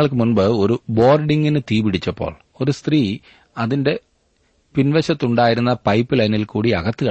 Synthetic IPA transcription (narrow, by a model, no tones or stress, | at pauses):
ɐɭk̬ɨmunbɨo̞ɾubo̞ːrɖiŋɡinɨt̪iːbiɽit͡ɕːɐpːo̰ːɭ | o̞ɾust̪riː | ɐðinde̞ | pinʋɐɕɐt̪ːuɳɖaːjiɾunːɐpɐjpːɨlɐjnilkuːɽiɐ̰ɣɐt̪ːɨɣɐ